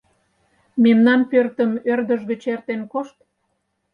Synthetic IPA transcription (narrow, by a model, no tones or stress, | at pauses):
memnɑnpørt̪ə̆mørd̪əʒɣə̆t͡ɕert̪enkoʃt̪